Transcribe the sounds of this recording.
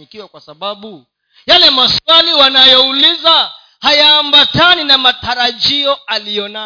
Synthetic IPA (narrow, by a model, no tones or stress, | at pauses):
ikiwakwasaɓaɓu | jalɛmaswaliwanajɔuliza | hajaːmbataninamataɾaʄiɔalijɔna